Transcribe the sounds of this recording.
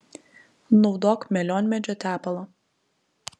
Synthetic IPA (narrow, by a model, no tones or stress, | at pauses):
nɔʊd̪oːkmʲɛlʲɔːnʲmʲɛd͡ʒʲɔt̪ʲæːpɐlˠɐ